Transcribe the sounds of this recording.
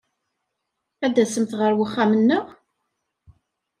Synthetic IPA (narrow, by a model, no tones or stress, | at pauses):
æd̪æsəmθʁəɾwəχːamənːəʁ